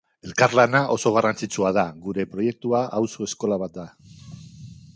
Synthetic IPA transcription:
e̞lkaɾlanaʔo̞so̞ɣ̞arant͡sit͡suað̞aɣuɾe̞pɾo̞je̞k̚t̪uaʔawso̞e̞sko̞laβat̪̚d̪a

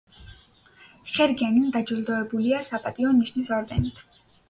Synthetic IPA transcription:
χɛɾɡanind̪ad͡ʒilˠd̪ɔɛbuliasapʼat̪ʼiɔniʃnisɔɾd̪ɛnit̪ʰ

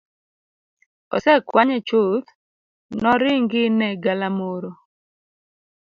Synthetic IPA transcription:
ɔ̰sɛkwaɲɛt͡ʃot̪ | nɔɾɪŋɡɪnɛɡalamoɾo

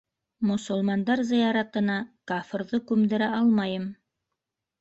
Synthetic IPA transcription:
mŏsŏlˠmɑnd̪ɑɾzɤ̆jɑɾɑt̪ɤ̆nɑkaf̆ɾðɤkʉmd̪ɘ̆ɾæʔɑlˠmɑjɤm

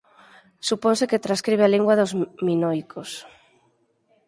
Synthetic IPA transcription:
supɔnseket̪ɾaskɾiβ̞ealiŋɡwɐðozminojkʰos

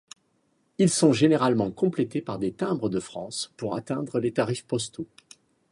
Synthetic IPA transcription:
ilsɔ̃ʒeneʁalmɑ̃kɔ̃plet̪epaʁd̪et̪ɛ̃bʁəd̪əfχɑ̃spuʁa̰t̪ɛ̃d̪ʁəlet̪aʁifpɔst̪o

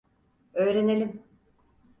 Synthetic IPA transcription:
ø̞jɾe̞nelʲim

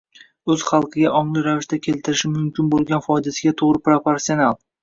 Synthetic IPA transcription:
ɵz̥χɑlˠqʰɨɡʲaʔɒɴlˠɪɾavɪʃt̪akʲʰe̞lt̪ʰɪɾɪʃɪmʊmkʲɪnbolˠɡʲanfɒjd̪asɪɡʲat̪ʰoʁɾɪpɾopoɾsionalˠ

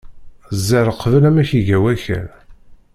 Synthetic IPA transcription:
zːæɾəqːvəlæmæçiʝæwæçæ̰l

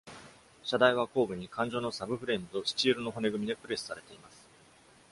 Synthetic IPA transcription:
ɕad̪aiβ̞ako̞ːbɯ̟ɲ̟ikʰãɲ̟d͡ʑo̞ːno̞sabɯ̟ɸɯ̟ɾe̞mɯ̟t̪o̞ɕi̥t͡ɕiːɾɯ̟no̞ɦo̞ne̞ɡɯ̟mʲid̪e̞pɯ̟ɾe̞sɨ̥saɾe̞t̪e̞imasɨ̥

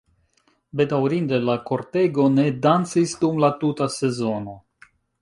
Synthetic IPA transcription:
be̞dawɾinde̞lako̞ɾte̞ɡone̞dant͡sisdumlatutase̞zo̞no̞

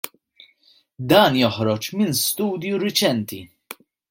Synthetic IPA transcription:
d̪ɐːnjɔħɾɔt͡ʃmɪnst̪uːd̪juɾɪt͡ʃɛnt̪i

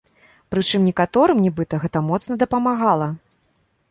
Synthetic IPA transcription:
pɾɨt͡ʂɨmnʲɛkat̪ɔɾɨmnʲibɨt̪ɐɣɛt̪ɐmɔt̪snɐd̪ɐpɐmaɣalˠɐ

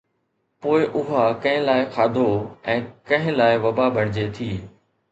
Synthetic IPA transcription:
poːɪʔʊɦakɐ̃ɦɪ̃laːɪxʰaːd̪ʱoɛ̃ːkɐ̃ɦɪ̃laːɪʋɐbabʱɐɽ̃d͡ʑet̪ʰiː

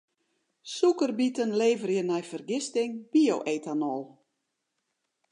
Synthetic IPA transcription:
sukərbitənleːvərjənɛjfərɡɪstɪŋb̥ioʔeːtanɔlˠ

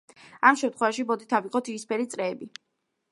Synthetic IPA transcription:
amʃɛmt̪ʰχwɛvaʃibɔd̪it̪ʰaviqʼɔt̪ʰispʰɛɾit̪sʼɾɛːbi

